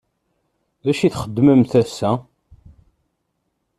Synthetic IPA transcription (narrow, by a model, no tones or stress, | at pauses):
ðæʃiθχəd̪ːməmθæsːæ